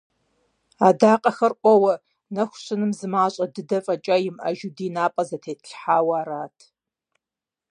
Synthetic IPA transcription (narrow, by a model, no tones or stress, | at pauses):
aːdaːqʼɐxɐrʔʷʼɔwɐ | nɐxʷʊɕɨnɨmzɨmaːɕʼɐdɨdɐfʼɐt͡ʃʼajɪmɐ̰ʒudiːnaːpʼɐzɐtʰeːtʰɨɬħaːwaaːɾaːtʰ